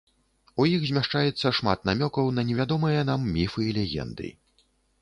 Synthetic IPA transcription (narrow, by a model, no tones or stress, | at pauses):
ujixzʲmʲaʂt͡ʂajɛt̪sːɐʂma̰t̪namʲɔkɐwnɐnʲɛvʲad̪ɔmɨjɐn̪amːʲifɨilʲɛɣʲɛ̰nd̪ɨ̰